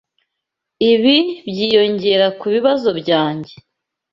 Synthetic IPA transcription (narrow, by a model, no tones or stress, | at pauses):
iβibjiːjo̞ɲɟe̞ɾakuβiβazo̞bɟaːɲɟe̞